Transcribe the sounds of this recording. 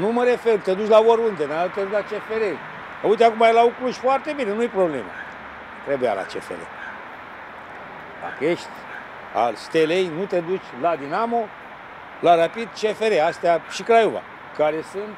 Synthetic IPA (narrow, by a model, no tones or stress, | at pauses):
numəɾe̞fe̞rt̪e̞d̪ut͡ʃʲlavoɾund̪enat̪eɾlat͡ʃe̞feɾe | aujt̪eakumaelaukluʒʲfoart̪e̞binenujepɾo̞ble̞̰ma̰ | t̪ɾebuja̰la̰t͡ʃḛfḛɾḛ | la̰keʃt̪ʲ | a̰lst̪elejnut̪e̞d̪ut͡ʃʲlad̪inamo̞ | laɾapid̪t͡ʃe̞fe̞ɾeast̪eaʃikɾajuva̰ | kaɾe̞sɨnt̪